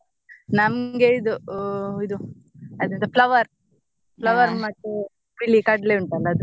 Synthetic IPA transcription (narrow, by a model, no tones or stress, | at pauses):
nɐmɡeid̪uid̪u | ɐd̪int̪ɐplɐʋɐɾ | plɐʋɐɾmaʈːe | pilːikɐɖleuɳʈɐlːɐːd̪u